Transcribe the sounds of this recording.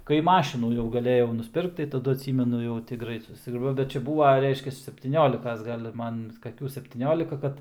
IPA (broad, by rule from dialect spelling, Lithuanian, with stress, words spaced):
kɐɪ ˈmɑːʃʲɪnuː jɛʊ ɡɐˈlʲeːjɛʊ nʊsʲˈpʲɪrkt tɐɪ tɐˈdʊ ɐtʲˈsʲiːmʲɛnʊ jɛʊ ˈtʲɪ ˈɡrɐɪt ˈsʊsʲrʲɛ bʲɛt ˈt͡ʃʲɛ ˈbuːʋɐ ˈrʲɛɪʃʲkʲɛs sʲɛpʲtʲiːˈnʲoːlʲɪkɐs ˈɡɐlʲ ˈmɐn kɐˈkʲuː sʲɛpʲtʲiːˈnʲoːlʲɪkɐ ˈkɐt